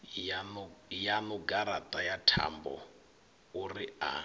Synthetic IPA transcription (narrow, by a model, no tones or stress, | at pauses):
njanuɡaɾat̪ʼajatʰa̰mbɔ̰ | uria̰